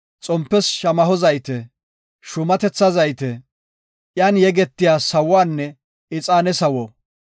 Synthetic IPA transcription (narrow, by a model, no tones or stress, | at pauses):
t͡sʼɔmpːɛsʃɐmɐɦɔzɐjt̪ɛ | ʃʊmɐt̪ɛt͡sːɐzɐjt̪ɛ | ʔjaːnjɛɡɛt̪ːɪjaːsɐwaːnːɛ | ɪt͡sʼaːnɛsɐwɔ